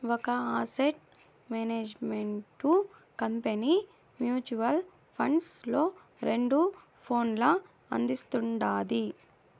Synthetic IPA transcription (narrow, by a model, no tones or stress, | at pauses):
ʋɔkɐaːseʈ̚ | meːneːd͡ʒmeɳʈu | kɐmpeni | mjuːt͡ʃuʋɐl | pʰɐɳɖslo̞ː | ɾeɳɖu | pʰo̞ːnlɐ | ɐ̰nd̪ist̪uɳɖaːd̪i